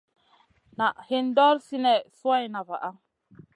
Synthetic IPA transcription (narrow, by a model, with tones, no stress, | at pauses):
na˨ʔhe˦n˦dɔ˦ɾsi˦nɛ˨swa˦jna˨va˨ʔa˦